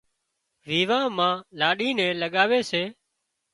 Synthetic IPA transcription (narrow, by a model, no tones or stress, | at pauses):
ʋiːʋãːmãːlaːɗiːnɛ̃ːləɠaːʋeːseː